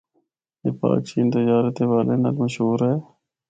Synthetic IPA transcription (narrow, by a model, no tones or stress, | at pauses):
jḛːpa̰ːkʃiːnt̪əd͡ʒaːɾət̪eːʋaːleːnə̰lməʃɦuːɾɦɛː